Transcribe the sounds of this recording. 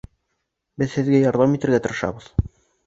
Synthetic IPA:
bɘðhɘ̆ðɡæjɑɾðɑmit̪ɘ̆ɾɡæt̪ɤ̆ɾɤ̆ʃɑ̰βɤð̥

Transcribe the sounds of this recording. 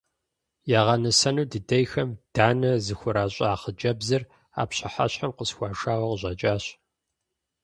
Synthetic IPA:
jaːʁɐnɐsɐnuːdɨdɐjxɐmd̥aːnɐzɨxʷʊɾaːɕʼaːχəd͡ʒɐbzɐr | a̰ːpɕɪħa̰ɕħamqəsxʷɑːʂaːwɐqəʑʼɐt͡ʃʼaːɕ

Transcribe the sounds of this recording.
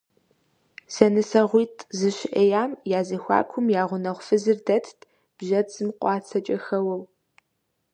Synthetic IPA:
sɐnɨsɐʁʷiːtʰʼzɨʃɪʔɐjaːmjaːzɨxʷɑ̰ːkʷʰʊmjaːʁʷʊnɐʁʷfɨzɨrdɐtʰtʰʼ | b̥ʒɐt͡sʼɨmqʷʼɑːt͡sʰɐt͡ʃʼɐxɐwɐw

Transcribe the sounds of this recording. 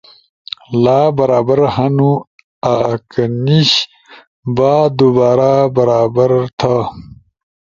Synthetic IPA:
laːbɐɾaːbɐɾhɐnu | akɐniɕ | baːd̪ubaːɾabɐɾaːbɐɾt̪ʰa

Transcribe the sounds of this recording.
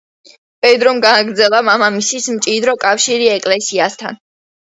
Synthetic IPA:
bʼɛd̪ɾɔmɡaaɡɾd̪zɛlˠamamamisismt͡ʃʼid̪ɾɔkʼafʃiɾiɛkʼlɛsiast̪ʰa̰n

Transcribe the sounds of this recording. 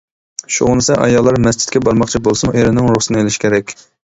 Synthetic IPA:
ʃuʊnɨsɛʔɑ̰jɑlˠːɑɾmɛs̬t͡ʃʰɪ̥t̪kʲɛbɑɾmɑχt͡ʃʰibolˠsɨmʔeɾɪnɪŋɾuχsɨnɨelɪʃkʲʰeɾɛkʲ

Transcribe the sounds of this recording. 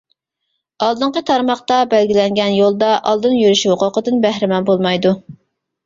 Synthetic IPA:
ɑlˠd̪ɨɴqət̪ʰɑɾmɑχt̪ɑbælɡʲilɛŋɡʲɛnjolˠd̪ɑʔɑlˠd̪ɨnjyɾyʃhʊqʊqəd̪ɨnbæhɾɪmɑnbolˠmɑjd̪u

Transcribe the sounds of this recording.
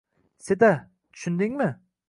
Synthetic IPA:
set̪a | t̪ʰʊ̥ʃʊnd̪ɪŋmɪ

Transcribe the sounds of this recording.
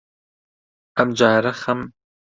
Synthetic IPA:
ɐmd͡ʒaːɾɐxɐm

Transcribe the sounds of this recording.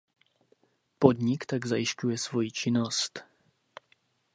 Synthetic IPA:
pod̪ɲɪkt̪aɡzajɪʃcujɛsvojit͡ʃɪnost̪

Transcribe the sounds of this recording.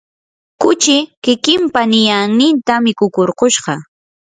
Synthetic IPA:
kʊt͡ʃɪkɪkɪmpanɪjaŋnɪnt̪amɪkʊkoɾqoʃɢɑ

